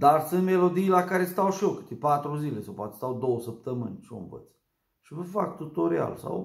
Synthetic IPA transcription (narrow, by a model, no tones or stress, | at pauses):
d̪arsɨnt̪me̞lo̞d̪ijlakaɾe̞st̪awʃiokɨ̥t̪epat̪ɾuzilesawpoat̪est̪awd̪o̞wəsəp̚t̪əmɨ̰nʲʃo̰nvə̰t̪s | ʃivəfak̚t̪ut̪o̞ɾia̰lsa̰w